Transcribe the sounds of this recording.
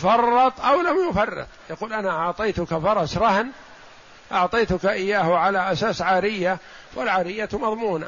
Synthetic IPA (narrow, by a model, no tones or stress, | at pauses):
fɑrˤːɑt̪ˤʔawlamjʊfɑrˤːɨ̰t̪ˤjaquːlʔanaʔɑʕt̪ˤɑjt̪ʊkafɑɾˤɑsɾˤɑhn | ʔɑʕt̪ˤɑːt̪ʊkaʔɪjːaːhʕalaʔasaːsʕaːɾɪjːa | walʕaːɾɪjːamɑðˤmuːna̰